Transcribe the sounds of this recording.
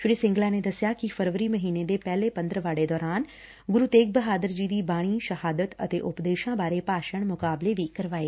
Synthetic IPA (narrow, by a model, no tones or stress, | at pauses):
ʃʊɽisɪ̃ŋɡlãːned̪ɐsɪjakifʰəɾʋəɾiːməɦiːned̪eːpɛːlepə̃nd̪ɾəʋaːɽed̪ɔːɾaːn | ɡʊɾut̪eːk̚bəɦaːd̪əɾd͡ʒiːd̪iːbaːɽ̃iːʃəhaːd̪ət̪ə̰t̪eːʔʊpd̪eːʃãːbaːɾepaːʃəɳ̃mʊkaːbleʋikɐɾʋaːeː